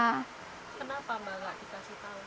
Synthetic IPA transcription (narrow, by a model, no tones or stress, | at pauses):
kənapamalaʔd̥i̤kasit̪a